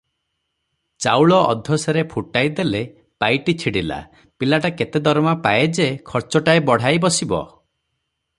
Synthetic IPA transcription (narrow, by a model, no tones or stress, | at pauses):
t͡ʃawɭɔʔɔ̰d̪ʱɔsaɾepʰuʈajd̪ele | pajʈit͡ʃʰiɽila̰ | pilaʈaket̪ed̪ɔɾmapaed͡ʒekʰɔɾt͡ʃɔʈaebɔɽ̤ajbɔsibɔ̰